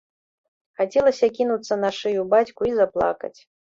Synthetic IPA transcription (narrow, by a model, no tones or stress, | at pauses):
xat͡sʲɛlˠɐsʲɐkʲinut̪sːɐnaʂɨjubat͡sʲkuizaplˠa̰kɐ̰t͡sʲ